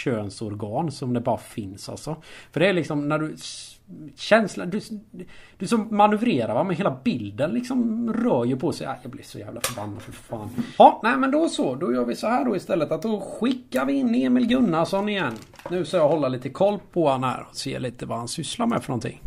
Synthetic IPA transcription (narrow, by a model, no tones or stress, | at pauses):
øːnsɔɾɡɑːnsɔmd̪ɛbɑːɾafɪnsa̰lsɔfœɖɛæɭɪksɔmnæɖɵ | ɕɛnslad̪ɵ | d̪̥ɵsɔmːanɵvɾeːɾaɾvamɛnɦeːlabɪld̪ənlɪksɔmɾœːɾjɵpʰɔsɛɪʔa̰jɑɡblɪ̰ɾʂɔjæ̰ːvla̰fœɾbanːad̪fœfa̰ːnhɑnæɪmɛnd̪ɔsɔd̪ɔjœːɾvɪsɔhæːɖɔɪst̪ɛlːət̪at̪̚d̪ɔɧɪkːaɾvɪɪnːeːmɪlɡɵnːaʂɔnɪjɛnː | nʉ̟ːskajɑːhɔlːaliːt̪əkʰɔlːpʰɔhanhæ̰ːɾɔsḛːliːt̪əvahansʏslaɾmɛ̰fœɾɳɔnt̪ʰɪ̰ŋː